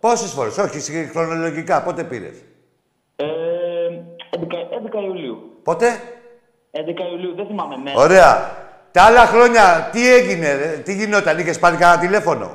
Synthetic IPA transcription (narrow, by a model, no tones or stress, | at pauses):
po̞sesfo̞ɾeso̞çisixɾo̞no̞lo̞ʝikɐpo̞t̪e̞pḭɾḛs | e | nd̪ekɐend̪ekɐiuliupo̞t̪e̞ | end̪ekɐiuliuðeθimɐmeneo̞ɾe̞ɐ̰ | t̪ɐɐlɐxɾo̞ɲɐt̪ieʝinet̪iʝino̞t̪ɐniçe̞spɐɾikɐt̪ɐt̪ile̞fo̞no̞̰